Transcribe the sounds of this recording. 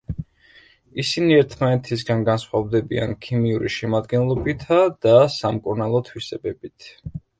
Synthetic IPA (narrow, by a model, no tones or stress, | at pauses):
isiniɛɾt̪ʰmanɛt̪ʰis̬ɡanɡansχwavd̪ɛbia̰nkʰimiuɾiʃɛmad̪ɡɛnlˠɔbit̪ʰad̪̥asamkʼuɾnalˠɔt̪ʰwisɛbɛbit̪ʰ